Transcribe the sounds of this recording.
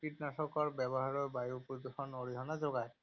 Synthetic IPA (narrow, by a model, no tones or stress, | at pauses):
kiʈnaʃɔkɔɹbɛbɔɦaɹɔɹbajupɾod̪uʃɔnoɾiɦɔnad͡ʑoɡaj